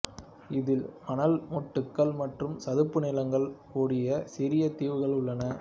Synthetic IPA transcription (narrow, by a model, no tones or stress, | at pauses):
ɪðɪlmɐnɐlmɔʈːɯkːɐɭmɐʈrɯmsɐðɯpːɯnɪlɐŋɡɐɭkuːɽɪjɐsɪɾɪjɐt̪iːʋɯɣɐɭʊɭːɐnɐ